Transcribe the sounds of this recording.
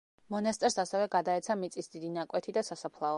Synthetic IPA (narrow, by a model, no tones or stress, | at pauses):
mɔnast̪ʼɾsasɛvɛɡad̪aɛt̪sʰamit̪sʼisd̪id̪inakʼwɛt̪ʰid̪asasapʰlˠaɔ